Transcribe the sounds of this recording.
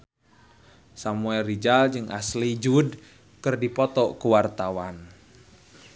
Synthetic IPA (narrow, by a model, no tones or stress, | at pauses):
samuɛlːid͡ʒald͡ʒɨŋʔa̰slid͡ʒud | kɨrdipɔt̪ɔkuwart̪awan